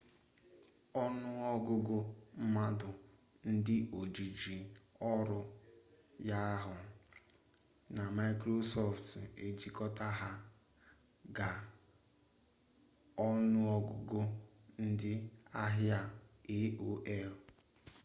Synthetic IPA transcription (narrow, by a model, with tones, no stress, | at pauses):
ɔ˦nʊ˦ɔ˦ɡʊ˦ɡʊ˦m̩˦ma˦dʊ˨ | n̩˦dɪ˦ʔo˨d͡ʒi˨d͡ʒi˨ɔ˦ɾʊ˨ | ja˦ɦʊ˨ | na˨ma˦i˦kɾo˦sɔ˦fte˨d͡ʒi˨kɔ˦ta˦ɦa˦ | ɡa˨ | ɔ˦nʊ˦ɔ˦ɡʊ˦ɡʊ˦n̩˦dɪ˦a˦ɦja˦e˦o˦ʔe˦ʊ˦